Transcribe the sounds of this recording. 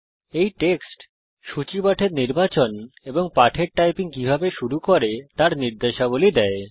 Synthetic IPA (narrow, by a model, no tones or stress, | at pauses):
ejʈeksʈ | ʃut͡ɕibaʈʰeɾniɾbat͡ɕoneboŋpaʈʰeɾʈajpiŋkibʱabeʃuɾukoɾet̪aɾniɾd̪eʃabolid̪ɛe